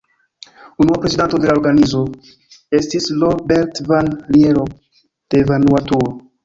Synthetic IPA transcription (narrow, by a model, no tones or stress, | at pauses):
unuapɾe̞zidanto̞de̞lao̞ɾɡanizo̞ | e̞stislobeɾtvanlieɾo | d̥eːvanuatuo